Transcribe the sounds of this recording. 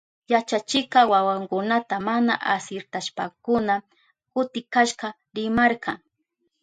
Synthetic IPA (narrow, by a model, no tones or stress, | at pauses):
jat͡ʃat͡ʃɪkɑwawaŋkʊnat̪amana̰ʔasɪɾt̪aʃpakʊna | kʊt̪ɪkaʃqɑ | ɾɪmaɾqʰɑŋ